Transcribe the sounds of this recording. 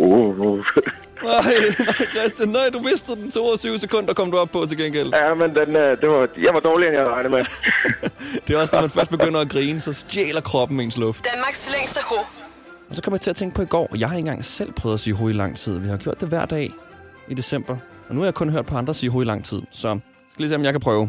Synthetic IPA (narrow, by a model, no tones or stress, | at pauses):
o | nɑɪnɑɪkʰʁɛsd̥jænːɑɪd̥uʋe̝sd̥ð̩d̥n̩t͡sʰo̝̰ːɐsyʊsekʰɔ̽n̰d̥ɐkʰɒ̽m̰d̥uɒ̽b̥̚pʰːɒ̽t͡sʰe̝lɡ̥enɡ̥el̰jæmend̥end̥eʋɑ̈jɑ̈ɪʋɑ̈d̥ɒːlienjɑɪɑɪnəme | d̥e̝æɐɒ̽snɒmænfɶɐsd̥̚b̥e̥øn̰ɐæɡ̥ʁiːnəsɒ̽sd̥jḛːlɐkʰʁɒ̽b̥n̩mee̝ːnslɔ̽fd̥d̥ænmɑ̈ɡ̥sleŋ̰sd̥əho | ɒsɒkʰɒm̰ɐjɑ̈t͡sʰe̝æt͡sʰeŋɡ̥pʰɒ̽iɡ̥ɒ̰ːjɑ̈ɪhɑ̈e̝n̩ɡ̥ɑ̈ŋ̰sel̰pʰʁœːʊðˠæsiːɦoilɑ̈ŋ̰t͡sʰið̞̰ˠʋihɑ̈ɡ̥jo̝ɐ̰d̥eʋæɐ̰d̥ɛ̰ː | id̥e̝sem̰b̥ɐɒnuhɑjäkʰɔ̽nɦøɐ̰d̥̚pʰɒ̽ɑ̈nd̥ʁɐsḭːɦoilɑ̈ŋ̰t͡sʰið̞̰ˠsɒ̽ | sɡ̥æliːsiːmjɑɪkʰæpʰʁœːʊ